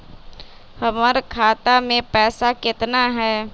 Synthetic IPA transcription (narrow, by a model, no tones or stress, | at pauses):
həməɾkʰaːt̪amẽpɛːsakɪt̪naɦɛː